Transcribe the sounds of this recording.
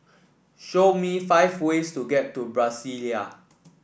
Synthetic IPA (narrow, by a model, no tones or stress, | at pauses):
ʃomifaɪvwestuɡɛtːubɹasilija